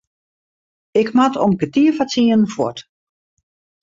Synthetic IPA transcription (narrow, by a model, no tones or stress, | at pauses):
ɪkmatʰɔmkətiəfat͡siən̩fwɔ̰t